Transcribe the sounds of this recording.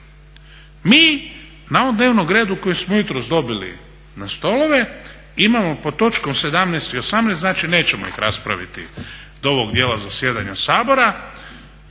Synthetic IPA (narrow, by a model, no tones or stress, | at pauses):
miː | nao̞ʋomd̪neːʋnoɡɾe̞ːd̪ukojismo̞jut̪ɾozd̪o̞bilḭ | nast̪o̞lˠo̞ʋe̞ | imamo̞po̞t̪o̞t͡ʃko̞mse̞d̪amnɛjst̪iosamnɛːsnaːt͡ʃine̞ːt͡ɕe̞mo̰ḭxɾa̰spɾa̰ʋḭt̪ḭ | d̪ooʋoɡd̪je̞ːlazasje̞ːd̪a̰ɲasaːbo̞ɾa